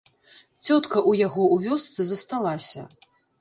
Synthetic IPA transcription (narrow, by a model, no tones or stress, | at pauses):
t͡sʲɔt̪kɐʔujaɣɔʔuvʲɔst̪sɨzɐst̪alˠasʲɐ